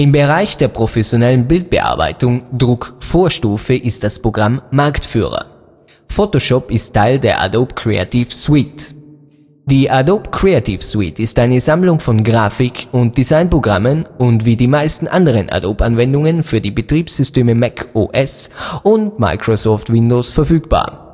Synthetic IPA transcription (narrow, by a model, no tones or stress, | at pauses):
ʔɪmbəʁ̞aɪçd̥eːɐpʁ̥ofɛsjonɛlənbɪlt̚b̥əʔa̰ɐba̰ɪtʊŋdʁʊkfoːɐʃtuːfəʔɪst̚d̥aspʁ̥oɡʁamːaɐktfy̰ːʁɐ̰ | fotoʃɔpɪstʰːaɪldeːɐʔa̰doːpkʁ̥ea̰tifswit | d̥iːʔadopkʁ̥eatʰifswitɪstʔaɪnəzamlʊŋfɔnɡʁaːfɪkʰʊnt̚d̥izaɪnpʁ̥oɡʁamənʊntv̥iːdiːmaɪstn̩ʔandəʁ̞ənʔa̰dopanvɛndʊŋənfyːɐdiːbətʁ̥iːpsz̥ʏsteːməmɛkʰoʔɛsʊntma̰ɪkʁ̥osɔːftvɪndoːsfɛɐfyːkb̥a̰ːɐ